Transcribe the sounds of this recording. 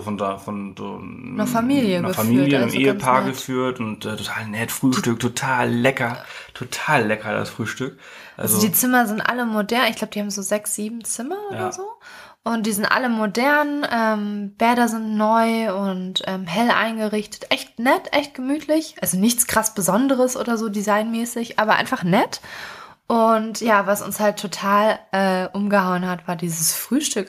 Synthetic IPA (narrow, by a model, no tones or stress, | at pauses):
fɔndafɔnzo̰ː | nɐfamiːljəɡəfamiyːljəɪmʔḛːəpʰaɐɡəfyːɐtʊntʔɛːtʰotʰaːlnɛtfʁ̥yːʃtʏk̚tʰotʰaːlːɛkɐtʰotʰaːlːɛkɐda̰sfʁ̥yːʃtʏk | ʔa̰zodiːt͡sɪmɐzɪntʔa̰ləmodɛɐnɪçɡ̥laʊb̚əd̥ihaːbm̩zoːzɛksz̥iːbm̩t͡sɪmɐoːɾɐzoː | ʔʊnt̚d̥iːzɪntʔa̰ləmodɛɐnʔɛːmb̥ɛɐɾɐzɪntnɔʏʊntʔɛːmɦɛlʔa̰ɪnɡəʁɪçtə̥tʔɛçtnɛtʔɛçt̚ɡ̥əmyːtʰlɪçʔalzonɪçt͡skʁ̥asb̥əzɔndəʁəsʔo̰ːdɐzoːdizaɪnmɛːsɪçʔaːbɐʔa̰ɪnfaχnɛt | ʔʊntjaːvasʊ̰nshaltʰːotʰaːlʔɛːʔʊmɡəhaʊənhatv̥aːɐdiːzəsfʁ̥yːʃtʏk